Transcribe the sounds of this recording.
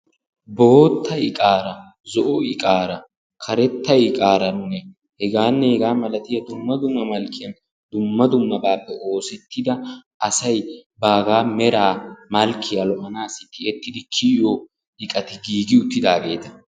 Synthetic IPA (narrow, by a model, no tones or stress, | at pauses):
boːt̪ʰːɐjɪkʼaːɾɐ | zɔʔɔɪkʼaːɾɐ | kʰɐɾɛt̪ːɐjkʼaːɾɐnʊnɛ | hɛɡaːnːɛhɛɡaːmɐlɐt̪ɪjɐd̪ʊmːɐd̪ʊmːɐmɐlkːɪjɐn | d̪ʊmːɐd̪ʊmːɐbaːpːɛʔo̞ːsɛt̪ːɪd̪ɐ | ɐsɐjbaːɡaːmɛɾaːmɐlkɪjɐlɔʔɐnaːsɪt̪ːɪɛt̪ːɪd̪ɪkʰɪjo | ɪkʼɐt̪ɪɡiːɡɪʊt̪ːɪd̪aːɡe̞ːt̪ɐ̥